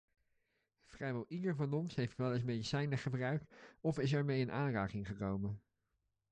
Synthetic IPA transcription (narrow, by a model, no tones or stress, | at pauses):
frɛjʋɑlˠʔidəɹvɑnɔnsɦejftʋɛlˠɪs̬mejdisɛjnəχəbrœɥkɔfɪs̬ɛɹmejɪnʔaːnraːkɪŋχəkowmən